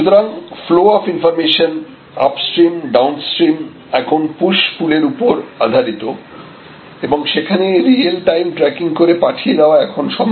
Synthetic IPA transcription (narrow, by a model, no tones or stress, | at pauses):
ʃut̪oɾaŋfloɔfinfɔɾmeʃon | a̰psʈɾimɖawnsʈɾim | ɛkʰonpuʃpuleɾupoɾad̪ʱaɾit̪o | eboŋʃekʰaneɾielʈajmʈɾɛkiŋkoɾepaʈʰijed̪aoaɛkʰonʃɔm